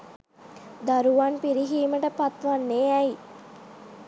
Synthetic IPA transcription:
d̪aɾuʋanpiɾiɦiːməʈəpat̪ʋanːeːɛi

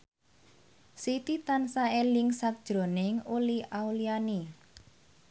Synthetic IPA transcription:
sit̪it̪ansaelɪŋsak̚d̥ʒ̥ɾo̤nɪŋuliʔauliani

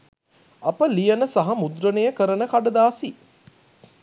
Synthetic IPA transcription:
ɐpəlijɐnəsaɦɐmud̪ɾənejəkəɾənəkaɖɐd̪aːsi

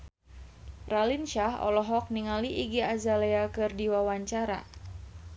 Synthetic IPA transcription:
ralinʃaɦɔ̰lɔɦɔk̚niŋaliʔiɡiazaleakɨrdiwawaɲt͡ʃaɾa̰

